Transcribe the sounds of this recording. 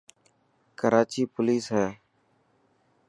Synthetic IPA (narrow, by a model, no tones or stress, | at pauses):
kəɾaːt͡ʃiːpʊliːsɦɛː